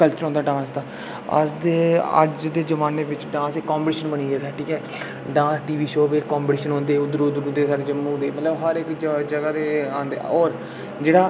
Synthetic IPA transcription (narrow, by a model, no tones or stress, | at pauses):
kəlt͡ʃəɾɦõnd̪aːɖãːsd̪aː | ə̰sd̪eːə̰d͡ʒd̪eːd͡ʒəʋaːneːʋɪt͡ʃɖãːsekãːmbəʈiʃənbəñiːd͡ʒaːd̪aːʈʰiːkɛː | ɖãːsʈiːʋiːʃoːbeːkãːmbəʈiːʃənɦõːnd̪eːʊd̪əɾod̪ɾũːd̪eːsaːɾed͡ʒəmːũːd̪eːmət̪ləbɦəɾɪkd͡ʒəd͡ʒəɡaːɾeːãːnd̪ḛɔːɾ | d͡ʒeːɽaː